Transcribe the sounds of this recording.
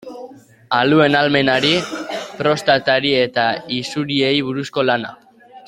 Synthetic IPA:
alue̞nalme̞naɾipɾo̞st̪at̪aɾie̞t̪aisuɾie̞jβ̞uɾusko̞lana̰

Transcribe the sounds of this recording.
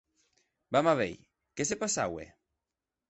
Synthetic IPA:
bamaβḛj | kesepasa̰wḛ

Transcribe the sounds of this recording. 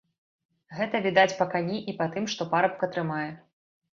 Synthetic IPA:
ɣɛt̪ɐvʲid̪at͡sʲpɐkanʲiʔipat̪ɨmʂt̪ɔpaɾɐp̚kɐt̪ɾɨmajɛ

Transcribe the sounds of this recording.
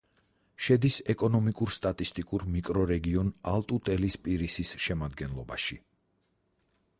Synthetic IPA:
ʃɛd̪isɛkʼɔnɔmikʼuɾst̪ʼat̪ʼist̪ʼikʼuɾmikʼɾɔɾɛɡiɔnalˠt̪ʼut̪ʼɛlispʼiɾisisʃɛmad̪ɡɛnlˠɔbaʃi

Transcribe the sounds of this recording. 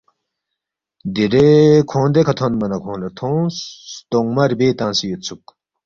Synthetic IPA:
d̪iɾekʰõːnd̪ekʰɐt̪ʰonmɐnɐkʰõːnlɐt̪ʰõ | t̪oŋmɐɾbeːt̪ãːnsijot̪t͡sʰuk

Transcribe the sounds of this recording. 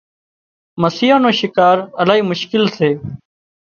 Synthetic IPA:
məsiːãːnoːʃɪkaːɾəlaːɦiːmʊʃkɪlseː

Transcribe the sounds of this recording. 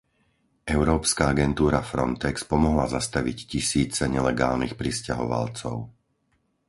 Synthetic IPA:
ɛʊɾɔːpskaaɡɛnt̪uːɾafɾɔ̰nt̪ɛkspɔmɔɦlazast̪aʋiccisiːt͡sɛɲɛlɛɡaːlnixpɾisca̰ɦɔ̰ʋa̰lt͡sɔʊ

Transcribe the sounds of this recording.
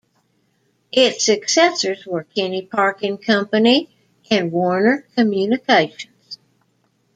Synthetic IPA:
ʔɪtsɨksɛsə˞zwə˞kʰɪ̃nipʰɑɹkɪ̃ŋkʰʌ̃mpɨni | ʔɨ̃nwɔɹnə˞kʰɨmjʉnɨkʰeɪʃɨ̃n̩z̥

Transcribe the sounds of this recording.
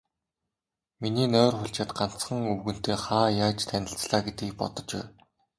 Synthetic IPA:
miniːnœːrχʊɬt͡ɕăːt̪ɢan̥t͡sχə̆ŋɵwɣɘ̆n̥t̪eːχaːjaːt͡ɕt̪ʰænʲɪ̆ɬt͡sɮaːɡet̪ɡiːk̚pɔ̰t̪ɞ̆t͡ɕwæ̰ː

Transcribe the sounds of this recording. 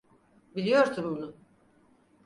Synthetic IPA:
bilʲijo̞ɾsʰumbunʊ

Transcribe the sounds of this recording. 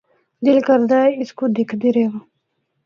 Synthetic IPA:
d̪ɪlkəɾd̪aːɛɪskod̪ɪkʰd̪eɾeːʋa

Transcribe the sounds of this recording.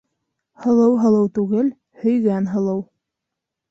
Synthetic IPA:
hɤ̆lˠɤwɦɤ̆lˠɤwt̪ʉɡɘl | hɵ̆jɡænɦɤ̆lˠɤw

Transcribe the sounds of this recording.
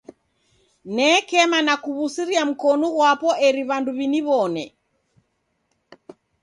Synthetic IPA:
nɛkɛmanakuβusiɾiam̩kɔnɔɣwapɔʔɛɾiβanduβiniβɔnɛ

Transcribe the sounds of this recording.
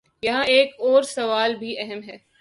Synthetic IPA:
jɐɦãeːkɔːɾsɐʋaːlbʱiʔɛɦɛmɦɛː

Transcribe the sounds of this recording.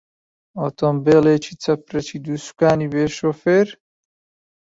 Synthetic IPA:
ot̪ombeːleːt͡ʃʰit͡sɐpɾɐt͡ʃʰid̪usu̥kaːnibeːʃofeɾ

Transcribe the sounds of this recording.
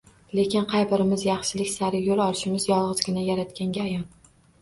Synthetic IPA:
le̞kʲɪnqʰɑjbɪɾɪmɪzjɑχʃɪlɪkʲsaɾɪjolɒlˠɪʃɪmɪzjɒlˠʁɨzɡʲɪnajaɾat̪kʲaŋɡʲaːjɒn

